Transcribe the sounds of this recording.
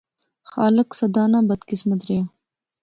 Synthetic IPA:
xɑːlɪksɐd̪ɑːnabɐd̪kɪsmat̪ɾea

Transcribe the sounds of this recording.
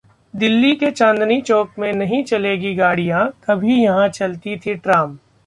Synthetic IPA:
d̪ɪlːiket͡ʃãːnd̪nit͡ʃɔːkmẽnɐɦĩt͡ʃɐleːɡiɡaːɽijãkɐbʱijɐɦãt͡ʃɐlt̪it̪ʰiʈɾaːm

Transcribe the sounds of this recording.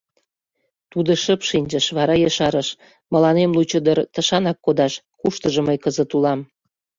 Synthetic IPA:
t̪ud̪ə̆ʃəpʃinʲd͡ʒə̆ʃβɑɾɑjəʃɑɾəʃ | mə̆lɑnemlut͡ɕəd̪ərt̪əʃɑnɑkːod̪ɑʃ | kuʃt̪əʒə̆məjkəzə̆t̪ulɑm

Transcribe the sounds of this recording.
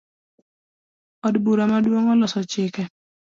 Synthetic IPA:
ɔdbuɾamadwoŋɔlɔsɔt͡ʃɪkɛ

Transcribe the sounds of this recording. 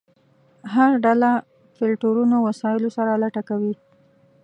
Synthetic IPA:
ɦaɾɖala | fɪlʈoɾunowasɑjɪlosaɾalaʈakawi

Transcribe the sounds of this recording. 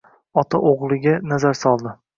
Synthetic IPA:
ɒt̪ʰaʔoʁlˠɪɡʲanazaɾsɒlˠd̪ɪ

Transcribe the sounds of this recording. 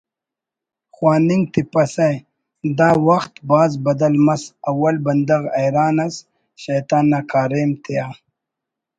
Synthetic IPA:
xwaːniŋɡt̪ipɐsɐj | d̪aːwɐxt̪baːzbɐd̪ɐlmɐsɐwɐlbɐnd̪ɐɣɐjɾaːnɐs | ɕɐjt̪aːnːakaːɾeːmt̪ʰijaː

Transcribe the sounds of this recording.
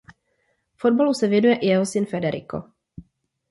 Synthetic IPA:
fo̞d̚balusɛvjɛnujɛʔɪjɛɦo̞sɪnfɛdɛɾɪ̰ko̞̰

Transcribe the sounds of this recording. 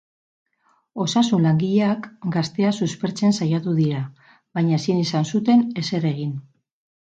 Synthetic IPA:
o̞sasunlaŋɡiʎeakɡast̪e̞asuspe̞ɾt͡se̞nsajat̪uðiɾa | βajɲaesinisansut̪e̞ne̞se̞ɾe̞ɣ̞in

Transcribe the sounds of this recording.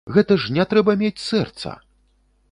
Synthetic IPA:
ɣɛt̪ɐʐnʲɛt̪ɾɛbɐmʲet͡sʲsɛrt̪sɐ̰

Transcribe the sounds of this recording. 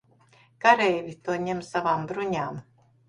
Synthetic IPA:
kaɾɛjvʲit̪uɔɲemsavaːmbɾuɲaːm

